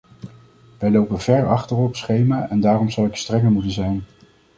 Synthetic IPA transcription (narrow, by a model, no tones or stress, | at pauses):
ʋɛjlowpəv̥ɛɹɑχtərɔpsχejmaːʔɛndaːrɔmzɑlˠɪkstrɛŋəɹmutənzɛjn